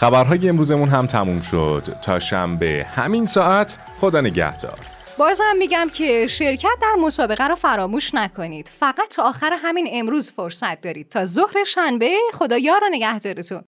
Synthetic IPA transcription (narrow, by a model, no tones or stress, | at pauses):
xæbæɾɦɒːjeemɾuːze̞munɦæmt̪ʰæmuːmʃo̞̰d̪̥t̪ʰːɒ̰ːʃæ̰mbe̞̰hæ̰minsɒːʔæt̪ʰ | χo̞d̪ɒːne̞ɟæ̰hd̪̥ɒ̰ːɾ | bɒːzhæmːiːɟæmcʰe̞ʃe̞ɾcʰæt̪̚d̪æɾmo̞sɒːbe̞ɣæɾɔːfæɾɒːmuːʃnækʰo̞niːd̪̥fæɣæt̪ʰːɒːʔːxæɾeɦæmiːne̞mɾuːzfoɾsæt̪̚d̪ɒːɾiːd̪̚t̪ʰɒːzohɾe̞ʃænbe̞xo̞d̪ɒːjɒːɾɔne̞ɟæhd̪ɒːɾet̪ʰun